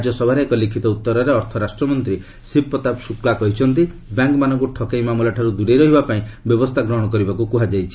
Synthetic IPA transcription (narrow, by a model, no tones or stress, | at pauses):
d͡ʒɔsɔbʱaɾeːkɔlikʰit̪ɔut̪ːɔɾɔɾeɔɾt̪ʰɔɾasʈɾɔmɔnt̪ɾi | sipːɔt̪apsuklakɔɦit͡ʃʰɔnt̪̬i | bjaŋkmanɔ̃ŋkuʈʰɔkejmamulaʈʰaɾud̪uɽejɾɔɦibapaĩbjɔbɔst̪ʰaɡɾɔɦɔɽɔkɔɾibakukuɦad͡ʒajt͡ʃʰi̥